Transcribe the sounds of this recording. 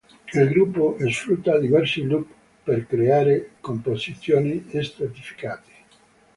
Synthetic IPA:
ilɡɾupːoʔesfɾut̪ːad̪ivɛrsilup | perkɾeaːɾekompozit̪sːjoːniest̪ɾat̪ifi̥kaːt̪e̥

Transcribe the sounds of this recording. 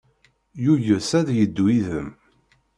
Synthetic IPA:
juʝəsæðjəd̪ːwiðəm

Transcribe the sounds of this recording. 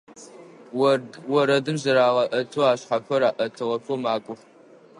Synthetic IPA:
wɐɾɐdɨmzɐɾaːʁɐʔɐtʰoaːɕħaɸɐɾaːʔɐtʰɨʁɐpomaːkʷʼʊχ

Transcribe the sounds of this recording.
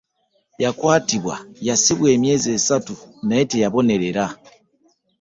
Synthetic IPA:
jakwatiβwa̰jasiβwɛmjɛzesatunaɛtɛjaβɔnɛɾɛɾa

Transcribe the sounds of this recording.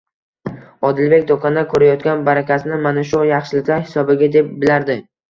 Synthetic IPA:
ɒd̪ɪlbe̞kʲd̪okʰand̪akʰɵɾajɒt̪̚kʲanbaɾakʲasɪnɪmanaʃ̬ʊjɑχʃɪlɪkʲlaɾhɪsɒbɪɡʲad̪e̞p̚bɪlaɾd̪ɪ

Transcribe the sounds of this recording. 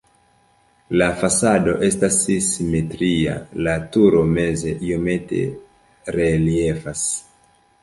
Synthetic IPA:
lafasado̞̰ʔe̞stasisime̞tɾia̰latuɾo̞me̞ze̞ʔijome̞te̞̰ | ɾe̞lie̞fas

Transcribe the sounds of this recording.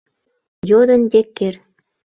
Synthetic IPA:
jod̪ə̆nd̪ekːer

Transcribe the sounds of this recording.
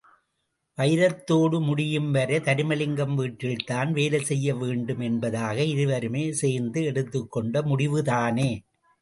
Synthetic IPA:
ʋɐjɪɾɐt̪ːoːɽɯmʊɽɪjɯmʋɐɾɐt̪ɐɾɪmɐlɪŋɡɐmʋiːʈɾɪlt̪aːnʋeːlɐsɛjːɐʋeːɳɖɯmɛnbɐðaːɣɐɪðɯʋɐɾɯmeːseːɾnd̪ɯɛɽɯt̪ːɯkːɔɳɖɐmʊɽɪʋɯtaːneː

